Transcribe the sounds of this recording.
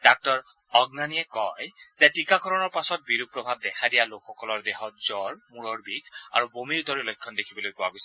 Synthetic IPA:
d̥ak̚tɔɹ | ɔɡnaniɛkɔjz̥ɛtikaɡʰʱɔɹɔnɔɹpasɔt̚biɹupɹɔbʱab̚dɛkʰadijalokxɔkɔlɔɹdɛxɔt̚z̥ɔɹmuɹɔɹbikʰa̰ɹubomiɹutɔɹilɔjkʰːɔndekʰibɔlojpɔwaɡojsɛ

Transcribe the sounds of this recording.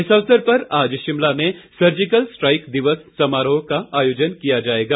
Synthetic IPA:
ɦɪsəʋsəɾpɐɾaːd͡ʒʃɪmlamẽsɐɾd͡ʒɪkəlsʈɾaːɪkd̪ɪʋəsːɐmaːɾəõkaaːjoːd͡ʒənkijad͡ʒaːeːɡaː

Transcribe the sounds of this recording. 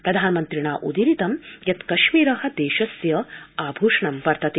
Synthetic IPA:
pɾɐd̪ʱaːnmɐnt̪ɾiɳaːʔud̪iɾit̪ɐmjɐt̪kɐʃmiːɾɐɦɐ̆d̪eːʃɐsjɐaːbʱuːʂɳɐmpɐɾt̪ɐt̪i

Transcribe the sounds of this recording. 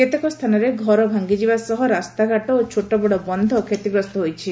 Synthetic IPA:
ket̪ekɔst̪ʰanɔɾeɡʱɔɾɔbʱaŋɡid͡ʒibasɔɦɔɾast̪aɡaʈɔot͡ʃʰoʈɔbɔɽɔbɔnd̪ʱɔkʰet̪ibɾɔst̪ɔɦojt͡ʃʰi

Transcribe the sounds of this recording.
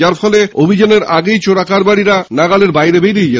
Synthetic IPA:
aɾfɔleobʱid͡ʑaneɾaɡejt͡ɕoɽakaɾbaɽiɾanaɡaleɾbajɾebejɾijd͡ʑe

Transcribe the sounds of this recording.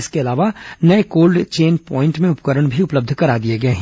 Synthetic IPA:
ɪskeɐlaːʋanɐekoːlɖt͡ʃeːnpɔ̃ːɪ̃ɳʈmẽʊpkəɾəɽ̃bʱiʊpləb̚d̪ʱkɐɾaːd̪ieɡɐeɦɛ̃ː

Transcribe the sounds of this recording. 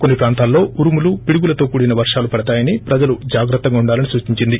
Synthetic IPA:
konːipɾaːnt̪aːlːo̞ːuɾumulupiɽuɡulɐt̪o̞ːkuːɽinɐʋɐɾʂaːlupɐɽɐt̪aːjɐnipɾɐd͡ʒɐlud͡ʒaːɡɾɐt̪ːɐɡaːuɳɖaːlɐnisuːt͡ʃiɲt͡ʃind̪i

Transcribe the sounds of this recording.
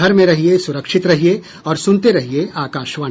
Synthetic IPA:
ɐɾmẽɾɐɦiesʊɾəkʃɪt̪ɾɐɦie | ɔːɾsʊ̃nt̪eɾɐɦieaːkaːʃʋə

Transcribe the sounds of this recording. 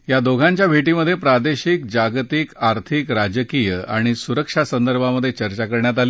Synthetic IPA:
jad̪oɡʱaɲt͡ɕjabʱeʈiməd̪ʱːjepɾad̪eɕik̚d͡ʑaɡt̪ikaɾt̪ʰikɾad͡ʑəkijəa̰ɽ̃isuɾəkʂasənd̪əɾbʱaməd̪ʱːjet͡ɕəɾt͡ɕakəɾɳjat̪̬ali

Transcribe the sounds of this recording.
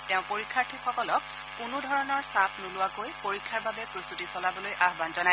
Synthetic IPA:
tɛʊ̃poɹikʰːaɹtʰixɔkɔlɔk̚ː | unʊdʱɔɹɔnɔɹsapʰnulʊwakojpoɹikʰːaɹbabɛpɹost̪utisɔlabɔlojʔaɦbanzɔnaj

